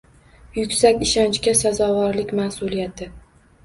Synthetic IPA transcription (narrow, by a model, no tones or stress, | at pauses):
jʊkʲsakʲɪʃɒnt͡ʃkʲasazɒvɒɾlɪkʲmasulijat̪ʰɪ